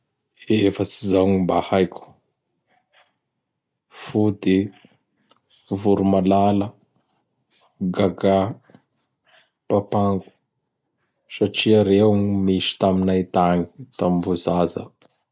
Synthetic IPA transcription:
efəsizawŋimbahajku̥ | fud̪e | vuɾumalalə | ɡaɡa | papaŋɡu̥ | saʈ͡ʂiaɾewɲmisi̥t̪aminajt̪aɲit̪ambuzazə̰

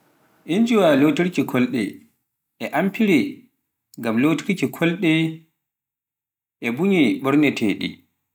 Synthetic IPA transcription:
ʔind͡ʒuwalotiɾkikʰɔlɗɛ̰ | ɛʔampiɾɛ | ŋɡamlotiɾkikʰɔlɗɛ | ʔɛbuɲiɓɔɾnɛtʰɛ̰ɗḭ

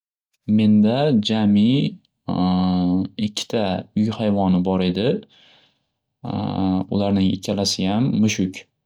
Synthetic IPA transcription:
me̞nd̪ad͡ʒamɪ | ɪkʲʰːɪ̥t̪ʰaʊjhajvɒnɪbɒɾe̞d̪ɪ | ʊ̰laɾnɪŋɪ̰kʲʰːalasɪjamːʊʃʊkʲ

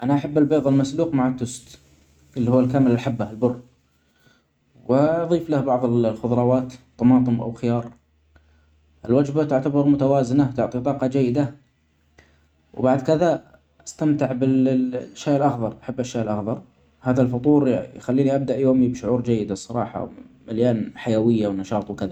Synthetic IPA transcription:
ʔanaʔaħabːalbeːðˤɑlmasluːqmaʕat̪ːʊst̪ | ʔɪlːihuːalkaːmɪlɪlħabːaɪlbʊrː | wɪɑðˤiːflahbɑʕðˤɨlxʊðˤɾˤɑwaːt̪t̪ˤːɑmɑːt̪ˤɨmʔa̰wxɪjɑːɾˤ | ʔɪlwad͡ʒbat̪ʊʕt̪abɑɾˤmʊt̪awaːzɪnat̪ʊʕt̪ˤit̪ˤɑːqɑd͡ʒajːɪd̪a | wbaʕd̪kɪða | ʔast̪amt̪ɪʕbɪʃːajɪlʔɑxðˤɑɾˤʔaħabːaʃːaːʔɪlʔaxðˤɑɾˤ | haːðalfʊt̪ˤuːɾjxalːiːniʔab̚d̪aʔjoːmibʃʊʕuːɾd͡ʒajːɪd̪asˤɑɾˤɑ̰ːħɑ̰wmaljaːnħajawɪjːawnɑʃɑːt̪ˤwkɪða

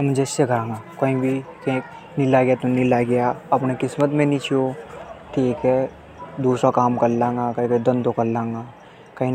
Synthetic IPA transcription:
ɐmd͡ʒʱeseɡʱãːŋɡaːkoːĩbʱit̪ʰẽːk̚ | nɪlaɡjat̪unilaɡɐjaɐpnekɪsmət̪mẽnĩt͡ʃot̪ʰeːkɛ | d̪uːsakaːmkɐɾlãːŋɡakɐĩked̪ɐ̃nd̪okɐɾlãːŋɡaː | kɐɦĩn

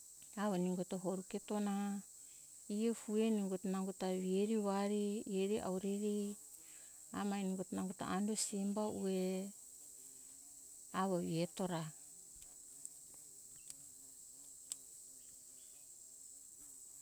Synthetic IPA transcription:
aβaniŋɡotoɦoɾuketo̞na | iefue̞niŋɡotanaŋɡotaβieɾiβaɾieɾiʔa̰wɾiɾi | a̰mainiŋɡotnaŋɡota̰andosimbaue | aβaβieto̞ɾa

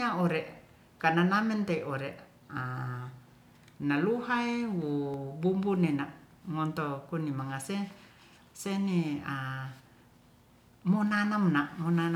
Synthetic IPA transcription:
aoɾɛʔ | kananamɛnt̪eiʔoɾeʔ | a | naluɦaewubumbunenaʔ | ŋɔnt̪okunimaŋase | senia | monanamnaʔmonana

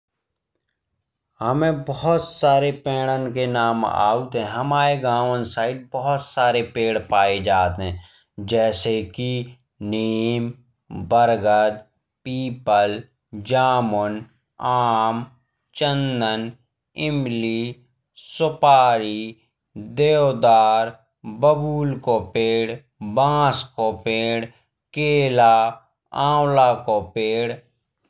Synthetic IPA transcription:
həmẽbɔɦʊt̪saːɾepɛːɽ̃ənkenaːma̰ːut̪ɦɛ̃ɦɐmaːɾeɡaːʋənsaːɪɖ̚bɔɦʊt̪saːɾepeːɽpaːed͡ʒaːt̪ɦɛ̃ | d͡ʒɛːseki | niːm | bəɾɡəd̪ | piːpəl | d͡ʒaːmʊn | aːm | t͡ʃənd̪ən | ɪmli | sʊpaːɾi | d̪eːwd̪aːɾ | bəbuːlkopeːɽ | bãːskopeːɽ | keːlaː | ãːwlaːkopeːɽ

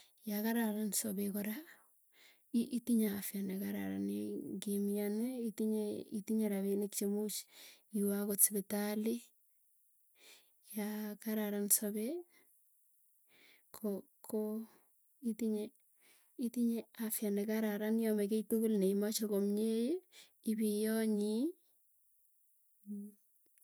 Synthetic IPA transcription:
jakaɾaɾansobekɔɾa | iʔitiɲaafjanekaɾa̰ɾa̰nḛɡemijanɛitiɲeḭtiɲeɾaβenɪkt͡ʃemut͡ʃiwakotsbɪtali | jakaɾaɾansobe | kʰo | kʰo | itiɲe | itiɲeafjanekaɾaɾanjɔmeketukulneimat͡ʃokomɲej | ibijɔɲi

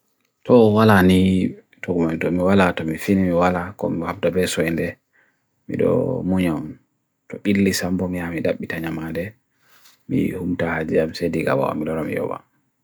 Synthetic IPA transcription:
tʰɔwalani | tʰɔɡumantɔmiwalatɔmifinimiwalakɔ̰mihab̚dabɛsɔjɛndɛ | mḭɗɔ̰muɲam | tɔɓilːisambɔmijamidaɓːitaɲamandɛ | mḭhumtahad͡ʒijamsediɡa̰wa̰wa̰milɔɾɔmḭjɔ̰ba̰

